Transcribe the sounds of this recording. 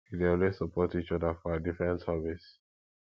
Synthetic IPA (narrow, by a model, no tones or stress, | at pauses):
ideɔnwesəpʰɔtit͡ʃɔðəfɔadifɹɛ̃ntsavis